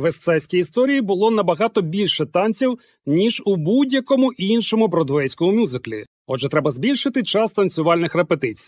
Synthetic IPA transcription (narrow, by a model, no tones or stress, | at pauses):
ʋest̪sɛsʲkʲiist̪ɔɾʲijibʊlˠɔnɐbɐɣɑt̪ɔbʲilʲʃɛt̪ɑnt͡sʲiw | nʲiʒʊbudʲjɐkɔmʊʔinʃɔmʊbɾɔd̪ʋɛjsʲkɔmʊmʲuzɪklʲḭ | ɔd͡ʒɛt̪ɾɛbɐzbʲilʲʃɪt̪ɪt͡ʃɑst̪ɐnt͡sʲʊʋɑlʲnɪxrepet̪ɪt͡sʲi̥j